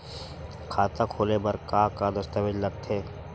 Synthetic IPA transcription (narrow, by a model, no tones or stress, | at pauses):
kʰaːt̪akʰoːlebəɾkaːkad̪ɐst̪aʋɪd͡ʒlɐɡ̚t̪ʰeː